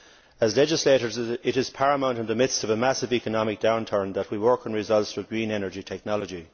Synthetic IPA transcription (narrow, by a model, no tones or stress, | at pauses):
əzlɛd͡ʒɪsleɪɾə˞zɪɾɪz̥pʰaɹəmõʊ̃nə̃nðəmɪd̪stʌvəmasɪvikənɑmɪk̚d̥ãʊ̃ntʰə̃˞nðət̚wiwɜ˞kə̃nɹɪzʌlˠtsəɡɹĩnɛnə˞d͡ʒitʰɛk̚nɑlˠəd͡ʒi